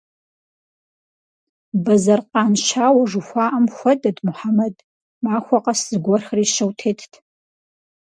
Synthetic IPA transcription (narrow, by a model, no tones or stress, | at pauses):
bɐzɐrqʼɑːnʃaːwɐʐuxʷaːʔɐmxʷɐdɐdmʊħamɐd | maːxʷɔqɐszɨɡʷɔrxriːʃɐwtʰeːtʰtʰ